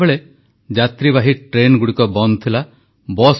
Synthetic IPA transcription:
beɭe | d͡ʒat̪ɾibaɦiʈɾenɡuɽikɔbɔnt̪ʰila | bɔs

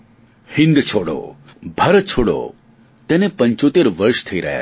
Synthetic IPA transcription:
hɪ̃nd̪t͡ʃʰoɽo̰bʱəɾət͡ʃʰoɽo̰ | t̪enepə̃ɲt͡ʃot̪eɾʋəɾʃt̪ʰəiɾə̰ɦa̰

